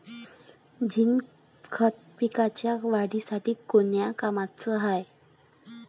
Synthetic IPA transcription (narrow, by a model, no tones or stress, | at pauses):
d͡ʑin | kʰət̪̚pikat͡ɕjaʋaɽisaʈiːkonjakamat͡səɦaj